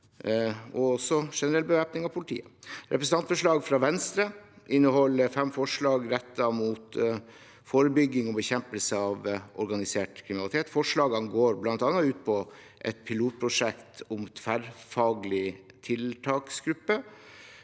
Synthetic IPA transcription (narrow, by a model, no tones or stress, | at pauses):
ɔɔsɔʂɛnəɾɛlbəʋæːpnɪŋɑʋpʰʊlɪt̪ʰḭːəɾʔɛpɾəsn̩ʰɑnt̪fɔʂɭɑːɡfɾɑʋɛnst̪ɾə | ʔɪnːəhɔlːəfɛmfɔʂɭɑːɡɾɛt̪ːɑmut̪ | foːɾəbʏɡːɪŋɔbəçɛmpəlsəɑʋʔɔɾɡɑnɪseːʈkʰɾɪmɪnɑlɪt̪ʰeːt̪fɔʂɭɑːɡɑnɡoːɾblɑnt̪ɑːnːɑʉːt̪̚pʰɔ | ʔɛ̰t̪̚pʰɪluːt̪̚pʰɾʊʂɛkt̪ʰʊmfæɾfɑːɡlɪ | t̪ʰɪlt̪ʰɑːksɡɾʉpːə